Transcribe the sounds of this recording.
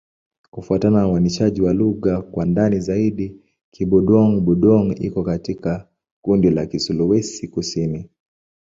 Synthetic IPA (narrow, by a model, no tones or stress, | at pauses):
kufuatananuaniʃaʄiwaluɣakwandanizaiɗi | kiɓuɗɔŋɓuɗɔŋḭkɔkatika | kundilakisuluwɛsikusini